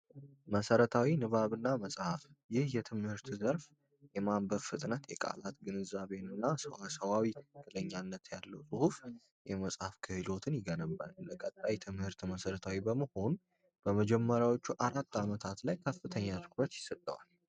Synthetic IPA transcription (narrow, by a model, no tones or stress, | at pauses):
məsəɾət̪ʰawinɨβaβɨnːaməsʼhafjɪhjɛt̪ʰɨmhɨɾt̪zəɾf | jɛmambəɾfɨt̪ʼnət̪jɛkʼa̰lat̪ɡɨnɨzaβe̞nɨnːasəwasəwawikːɨləɲːanːət̪jalːəwsʼɨhuf | jɛməsʼhafkʰɨhɨlo̞t̪ʰɨnjɪɡənəbːa̰nləkʼət̪ʼːajt̪ʰɨmhɨɾt̪məsəɾət̪ʰawibəməho̞n | b̥əməd͡ʒɛmːəɾjawo̞t͡ʃːuʔaɾat̪ʰːamət̪ʰat̪lajkʰəfːɨt̪ʰəɲːat̪ʰɨ̥kʰɾət̪jɪsət̪ʼːəwa̰l